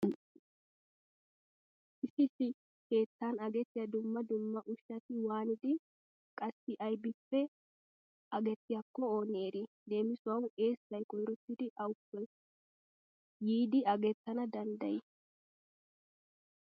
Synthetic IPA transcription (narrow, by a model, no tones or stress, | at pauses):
ʔɪsɪsɪ | ke̞ːt̪ːaːnɐɡɛt̪ːɪjɐd̪ʊmːɐd̪ʊmːɐʔʊʃːɐt̪ɪwaːnɪd̪ɪ | kʼɐsːɪʔɐjbɪpːɛ | ɐɡɛt̪ːɪjɐkːɔo̞ːneːɾɪd̪e̞ːmɪsʊwɐne̞ːsːɐjkʼɔjɾɔt̪ːɪd̪ɪʔɐwʊpːɔj | jiːd̪ɪɐɡɛt̪ːɐnɐd̪ɐnd̪ɐjɪ